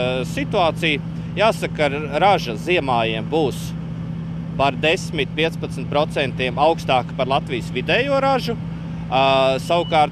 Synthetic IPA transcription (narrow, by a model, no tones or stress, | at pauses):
sit̪uaːt̪sij | jaːsakːaɾaʒɐziɛmaːjiɛmbuːs | paɾd̪esmit̪̚pʲiɛspɐt̪snt̪̚pɾɔt̪sɛnt̪iɛmawkst̪aːkpaɾlˠat̪vijsvid̪ɛːjuɔɾaʒu | sawkaːɾt̪